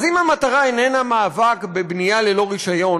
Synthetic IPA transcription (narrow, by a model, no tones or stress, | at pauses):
zimhamataʁaenenamaːvakbebnijale̞lo̞ʁiʃajo̞n